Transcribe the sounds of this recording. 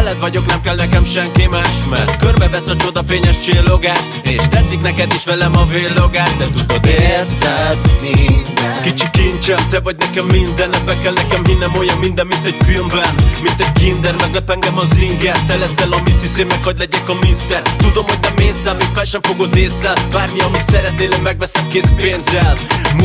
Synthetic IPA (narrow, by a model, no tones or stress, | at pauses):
ɛlɛt̪vɒɟo̞knɛmkɛlnɛkɛmʃɛŋkemaːʃmɛrt̪kørbɛvɛsɒt͡ʃo̞d̪ɒfeːɲɛʃt͡ʃeːlːoɡaːʃt̪eːʃt̪ɛt̪sːiknɛkɛd̪iʃvɛlɛmɒveːlːoɡaːʃd̪ɛt̪ud̪od̪e | kit͡ʃikint͡ʃɛmt̪ɛvɒɟ̚nɛkɛmːind̪ɛnːɛpɛkːɛlnɛkɛmɦinːɛmojɒmmind̪ɛmmint̪ɛɟfilmbɛnnmĩnt̪ɛɟ̚kind̪ɛɾmɛɡnɐpɛŋɡɐmɔzind̪iat̪ɛlɛzɛlɔmisiseɾmɛkhɔɟlɛdɛkɔmist̪ɛɾt̪ud̪omɔdʲnɐmesɐmikpɛʃɐmfoɡod̪esɐvaɾmiɔmit̪sɛɾɛt̪̚nelɛmɛɡvɛsɛmkespensɛlm